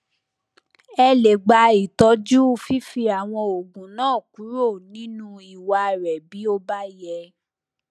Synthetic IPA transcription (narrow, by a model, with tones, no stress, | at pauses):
ɛ˧le˨ɡ͡ba˧i˨tɔ˨˧˦d͡ʒu˦fi˦fi˧a˨w̃ɔ̃˧o˨ɡũ˨nãː˦˨ku˨˦ɾo˦˨nĩ˨˦nũ˦i˨wa˨˧˨ɾɛ˨bi˨˦o˧ba˦jɛ˧